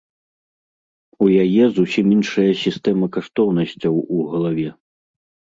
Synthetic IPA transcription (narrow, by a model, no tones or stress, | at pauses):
ujajɛzusʲiminʂɐjɐsʲist̪ɛmɐkaʂt̪ɔwnɐsʲt͡sʲɐwuɣɐlˠavʲɛ